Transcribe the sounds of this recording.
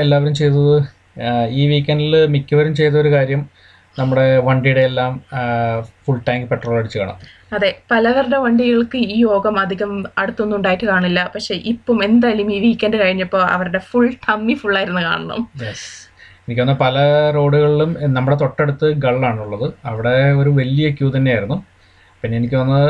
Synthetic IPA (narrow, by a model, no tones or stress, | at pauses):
elːaːʋɐɾumt͡ɕejt̪ːɐðɨ | iːʋiːkʲːɐnɖilmikʲːuʋɐɾumt͡ɕe̞jt̪ːɐo̞ɾukaːɾjɐm | nɐmːuɽe̞ʋɐɳɖijuɽeːlːaːm | fuɭʈaːŋɡɨpeʈro̞ːlɐɽit͡ɕːɨkaːɳɐ̰m | ɐðepɐlɐʋɐruɽe̞ʋɐɳɖiɣɐɭkɨiːjo̞ːɡɐmɐd̪ʱːiɣɐmɐɽut̪ːunːuɳɖaːjiʈːɨkaːɳilːɐpɐkʂe̞ʔipːome̞nd̪aːjɐlumiːʋiikʲːeːndɨkɐɻiɲːɐpːo̞ːɐ̰ʋɐɾuɽe̞fuɭt̪ʰɐmːifuɭːaːjiɾunːɨka̰ːɳɐɳɐ̰mjes | e̞nikʲːʋɐnːɐpɐlɐɾo̞ːɽuɣɐɭilumnɐmːuɽet̪o̞ʈːe̞ɽut̪ːɨɡɐɭːaːɳuɭːɐðɨɐʋiɽeo̞ɾuʋɐlijekʲːuːt̪ɐnːejaːjɾunːu | pinːeenikʲːɨʋɐnːɐ